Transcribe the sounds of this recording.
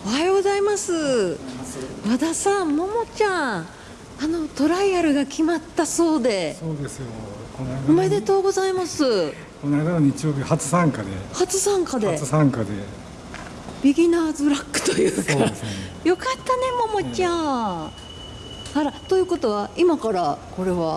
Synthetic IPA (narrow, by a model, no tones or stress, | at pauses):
ohaeɡo̞zaimasɨ | bad̪asãmmo̞mo̞t͡ɕã | ano̞t̪o̞ɾaiaɾɯ̟ɡakʲimat̪ːaso̞ːd̪e̞soːd̪esɨjokonaid̪ome̞d̪e̞t̪o̞ːɡo̞zaimasɨ | konaid̪anoɲit͡ɕijoːbʲihat͡sɨ̥sãŋkad̪ḛhat͡sɨsãŋkad̪et͡sɨsãŋkad̪e | b̥ʲiɡʲinaːzɨɾakːɯ̟̥t̪o̞jɯːkkːaejo̞kat̪ːane̞mo̞mo̞t͡ɕã | haɾat̪o̞jɯ̟ːko̞t̪o̞βaimakaɾako̞ɾe̞βa